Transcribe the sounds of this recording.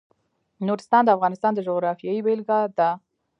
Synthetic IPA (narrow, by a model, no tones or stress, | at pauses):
noɾɪst̪ɑnd̪əafɣɑnɪst̪ɑnd̪əʒoɣɾɑfjɑibelɡɑd̪ə